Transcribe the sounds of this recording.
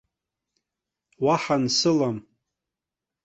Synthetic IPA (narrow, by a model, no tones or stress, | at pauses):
waħansɨlam